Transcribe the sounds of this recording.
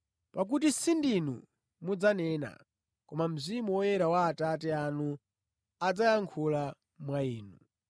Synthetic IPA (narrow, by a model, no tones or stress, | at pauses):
pak̬ut̬isindinṵ | mud͡zanɛna̰ | kɔmam̩zimuwɔjɛɾawaːtatɛanu | ad͡zajaŋkʰula | mwaiːnu